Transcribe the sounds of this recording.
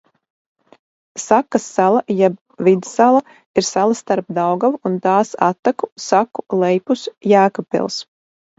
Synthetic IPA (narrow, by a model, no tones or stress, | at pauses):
sakːasːalˠajɛb | vid̪salˠa | iɾsalˠast̪aɾpd̪awɡawunt̪aːsa̰t̪ːakusakulˠɛjpusjæːkɔpɛ̰lˠs